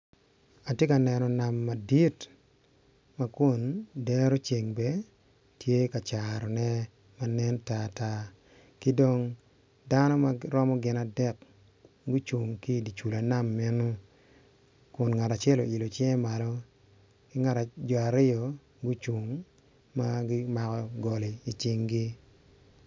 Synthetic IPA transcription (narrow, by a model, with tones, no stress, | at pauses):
a˨tje˦ka˨nɛ˨nɔ˨na˨mːa˨di˦t | ma˦kʊ˨ndɛ˦ɾo˦t͡ʃe˨ŋbɛ˦ | tʰje˦ka˨t͡ʃaɾɔ˨nɛ˦ | ma˨nɛ˦nta˦ta˦ | kɪ˦do˨ŋ | da˦nɔ˦ma˦ɾɔ˦mɔ˦ɡɪ˨na˨dɛ˦k | ɡu˦t͡ʃu˨ŋki˦˨di˨t͡ʃu˨la˨na˦˨mːɪ˦nʊ˦ | kʊ˨nŋa˨ta˨t͡ʃɛ˦˨lo˨i˨lo˨t͡ʃjɛ˦ma˨lɔ˦ | kɪ˦ŋa˨ta˨d͡ʒɔ˨a˨ɾɪ˦ɔ˨ | ɡu˦t͡ʃu˨ŋ | ma˦ɡi˦ma˨kɔ˨ɡo˨li˨i˨t͡ʃɪ˨ŋɡi˦